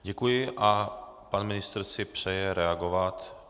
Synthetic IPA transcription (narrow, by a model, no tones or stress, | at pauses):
ɟɛkujɪʔapanmɪnɪst̪r̩sɪpr̝̥ɛjɛɾɛaɡovat̪